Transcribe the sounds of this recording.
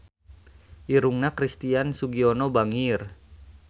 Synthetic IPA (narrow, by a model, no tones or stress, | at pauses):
ʔiɾuŋnakɾist̪iansuɡiɔnɔbaŋir